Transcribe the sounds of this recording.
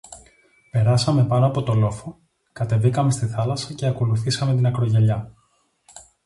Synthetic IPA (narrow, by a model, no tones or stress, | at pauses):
pe̞ɾɐsɐme̞pɐnoɐpo̞t̪o̞lo̞fo̞ | kɐt̪e̞vikɐme̞st̪iθɐlɐsɐce̞ɐko̞luθisɐmet̪inɐkɾo̞ʝe̞ʎɐ